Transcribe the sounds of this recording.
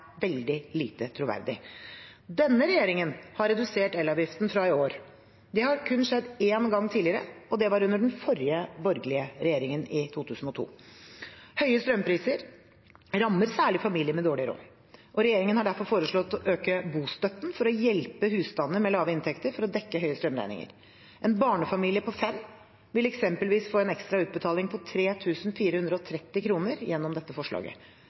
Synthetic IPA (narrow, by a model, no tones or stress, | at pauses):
ʋɛld̪ɪliːt̪ət̪ʰɾʊʋæ̰ɾd̪ɪ | d̪ɛnːəɾɛjeːɾɪŋənhɑɾːɛd̪ʉseːʈɛlɑːʋjɪft̪n̩fɾɑɪoːɾ | d̪ɛhɑɾkʰʉnːʂɛd̪ːeːnɡɑŋːt̪ʰiːlɪəɾə̰ɔd̪ɛʋɑɾʉnd̪əɖɛnfɔɾjəbɔɾɡlɪəɾɛjeːɾɪŋənɪt̪ʰuːt̪ʰʉːsn̩ɔt̪ʰṵː | hœʏəst̪ɾœmpʰɾiːsəɾ | ɾɑmːəɾsæːɭɪfɑmiːlɪəmɛd̪oːɭɪɾo̰ː | ʔɔɾɛjeːɾɪŋənhɑɖæɾfɔɾfoːɾəʂɭɔt̪ːɔʔøːkəbuːst̪œt̪ːnfɔɾɔjɛlpəhʉːst̪ɑnːəmɛlɑːʋəɪnt̪ʰɛkt̪əɾfɔɾɔd̪ɛkːəɦœʏəst̪ɾœmɾæ̰ɪnɪ̰ŋə̰ɾ | ʔɛnbɑːɳəfɑmiːlɪəpʰɔfɛmː | ʋɪlɛksɛmpəlʋiːsfoːɛnɛkst̪ɾɑʉːt̪̚bət̪ʰɑːlɪŋpʰɔt̪ʰɾeːt̪ʰʉːsnfiːɾəhʉnd̪ɾəɔt̪ʰɾɛt̪ːɪkʰɾuːnəɾjɛnːɔmd̪ɛt̪ːəfɔʂɭɑ̰ːɡə̰